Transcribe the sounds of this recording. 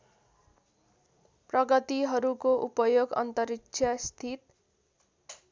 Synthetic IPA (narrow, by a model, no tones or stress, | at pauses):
prʌɡʌt̪iɦʌɾukoʔupʌjoɡʌ̰nt̪ʌɾiksʰjʌst̪ʰit̪